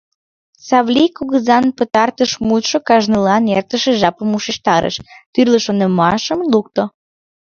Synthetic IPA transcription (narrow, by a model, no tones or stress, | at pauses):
sɑβlʲikuɣəzɑnpət̪ɑrt̪əʃmut̪ʃokɑʒnəlɑnert̪əʃeʒɑpəmuʃiʃt̪ɑɾʔə̰ʃt̪yrləʃonəmɑʃəmluk̚t̪o